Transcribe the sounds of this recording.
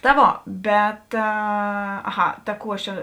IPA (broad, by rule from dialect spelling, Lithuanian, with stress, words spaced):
tɐ ˈʋoː ˈbʲɛt ɐˈɣɐ tɐ ˈkuː ˈɐʃ ˈt͡ʃʲɛ